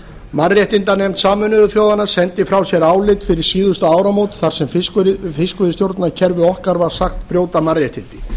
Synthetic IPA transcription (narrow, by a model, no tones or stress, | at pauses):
marjɛht̪ɪnt̪anɛjmt̪saːmʏnʏðʏfjoːwðanːḁsɛnt̪ɪfɾawsjɛɾaːwlɪt̪fɪɾɪɾ̥siːðʏst̪aaːwɾamowt̪θaɾ̥sɛmfkʏfɪskvʏðɪst̪jowɾt̪nacʰɛɾvɪɔhkaɾvaɾ̥saxt̪pɾjowt̪amarjɛht̪ɪnt̪ɪ̥